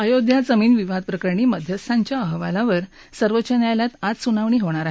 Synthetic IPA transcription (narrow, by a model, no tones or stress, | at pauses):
əjod̪ʱjad͡zəmiːnʋiʋad̪̚pɾəkəɾɳ̃iːməd̪ʱjəst̪ʰaɲt͡ɕjaəɦʋalaʋəɾ | səɾʋətːt͡ɕənjajljat̪at̪sunaʋɳ̃iːɦoɳ̃aɾaɦ